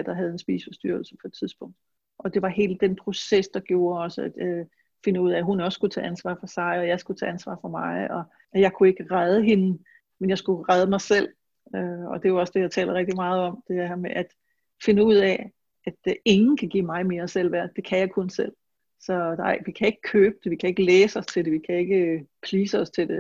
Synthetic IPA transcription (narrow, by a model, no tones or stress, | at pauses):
d̥ɐɦæðˠensb̥ḭːsə̥fɒ̽sd̥yɐ̰l̩səpʰɒ̽ed̥t͡sʰið̞ˠsb̥ɔ̽ŋ̰d̥ | ʔɒ̽d̥e̝ʋɑ̈he̝̰ːləd̥enpʰʁo̝sesd̥ɑ̈ɡ̥jo̝ːɐɒ̽səæd̥ | fe̝nəuð̰ˠɛɦunɒ̽ssɡ̥ut͡sʰɛ̰ːænsʋɑ̰̈ːfɒ̽sɑ̈ɪɒ̽jɑ̈ɪsɡ̥ut͡sʰɛ̰ːænsʋɑ̰̈ːfɒ̽mɑ̈ɪɒ̽ | jɑ̈ɪkʰue̝ɡ̥əʁað̞ˠəɦe̝nə | menjɑsɡ̥uʁað̞ˠəmɑ̈ɪsel̰ | øɒ̽d̥e̝joɒ̽sd̥ejɑ̈ɪt͡sʰɛ̰ːlɐʁɛɡ̥d̥imɑ̈ːð̞̩ˠɒ̽md̥e̝d̥ehɐmeʔæd̥ | fe̝nəuð̞̰ˠɛ̰ | æd̥e̝ŋn̩kʰæɡ̥ḭːmɑ̈ɪme̝ːɐsel̰ʋæɐ̰d̥e̝kʰæjɑ̈ɪkʰɔ̽nsel̰ | sɒ̽nɑɪ̰ʋikʰæe̝ɡ̥ə̥kʰøːb̥əd̥e̝ʋikʰæe̝ɡ̥əleːsɒ̽st͡sʰe̝ld̥e̝ʋikʰæe̝ɡ̥əpʰliːsəɒ̽st͡sʰe̝ld̥e̝